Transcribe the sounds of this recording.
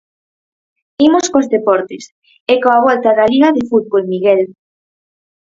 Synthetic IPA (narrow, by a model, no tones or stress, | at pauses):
imoskozðepɔɾt̪ɪs | ekoaβ̞ɔlt̪aðaliɣaðefuð̚βolmiɣel